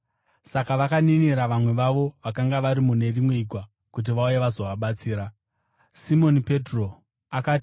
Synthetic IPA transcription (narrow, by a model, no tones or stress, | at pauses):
sakaʋakaniniɾaʋamwe̞ʋaʋo̞ʋakaŋɡaʋaɾimune̞rimwe̞iɡʱwa | kut̬iʋaujeʋazo̞ʋaɓat͡siːɾa | simo̞nipe̞tro̞ | akaːti̥